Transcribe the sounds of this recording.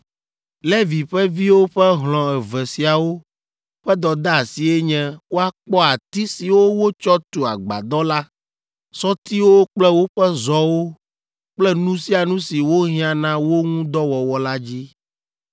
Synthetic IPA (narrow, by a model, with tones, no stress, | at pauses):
lɛ˦vi˨ɸɛ˦vi˦wo˦ɸɛ˦ɦlɔ̃˨ɛ˨vɛ˨si˨a˨wo˦ | ɸɛ˦d̪ɔ˨d̪a˦a˨si˨ɛ˦ɲɛ̃˦wo˦a˦k͡pɔ˦a˨t̪i˦si˨wo˦wo˦t͡ʃɔ˦t̪u˨a̰˨ɡ͡ba̰˨d̪ɔ˦la˦ | sɔ˦t̪i˦wo˦k͡plɛ˦wo˦ɸɛ˦zɔ˦wo˦ | k͡plɛ˦nũ˦si˦a˨nũ˦si˨wo˦ɦĩ˦ã˨nã˦wo˦ŋũ˦d̪ɔ˦wɔ˨wɔ˨la˦d͡ʑi˦